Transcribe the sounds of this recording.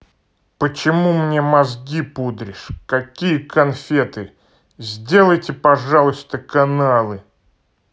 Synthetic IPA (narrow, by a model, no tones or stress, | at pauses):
pət͡ɕɪmumnʲemɐzɡʲipud̪ɾʲɪʂkɐkʲijəkɐnfʲe̞t̪ɨ | zʲdʲe̞lˠəjtʲɪpɐʐalˠʊst̪əkɐnalˠɨ